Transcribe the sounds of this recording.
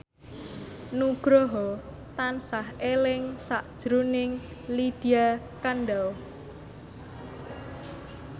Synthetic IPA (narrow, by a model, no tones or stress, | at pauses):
nuɡ̥ɾɔɦɔ | t̪ansahelɪŋsaʔd̥ʒ̥ɾunɪŋlid̪̥ia | kanɖaw